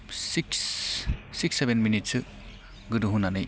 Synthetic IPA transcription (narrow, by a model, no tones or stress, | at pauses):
siks | siksebenminitsɯ | ɡɯduɦunanɯj